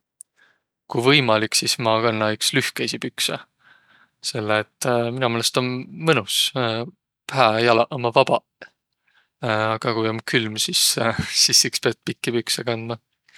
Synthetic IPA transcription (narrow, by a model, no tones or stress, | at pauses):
kujvɤjmɑliksismɑːkɑnːɑykslyhkesibykse | se̞lːeːt̪ːˑminumelest̪onːɤnus | pɦæjɑlɑʔmɑvɑbɑ | ɑɡ̥ɑkujomkylmsissisːikspeb̥̚pikːipyksekɑnd̪̥mɑ